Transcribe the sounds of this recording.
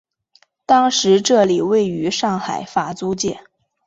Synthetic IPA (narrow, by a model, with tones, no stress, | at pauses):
t̪ɑ˥ŋʂɻ̩˧˥ʈ͡ʂɤ˥˩li˨˩we˥˩ɪy˧˥ʂɑ˥˩ŋxa˨˩ɪfa˨˩t͡su˥t͡ɕjɛ˥˩